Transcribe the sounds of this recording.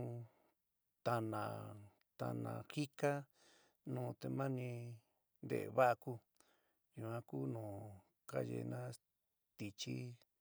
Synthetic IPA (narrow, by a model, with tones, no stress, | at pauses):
t̪a˧nã˨ | t̪a̰˧nã̰˨xi˦ka˦ | nũː˨t̪e˧˨mã˦nĩ˧ | nd̪ḛ˨βa˦ʔa˧ku˦ | ju˧˨ã˧ku˦nũː˨ | ka˦ʒḛ˧nã˦ | t̪i˧t͡ʃi˦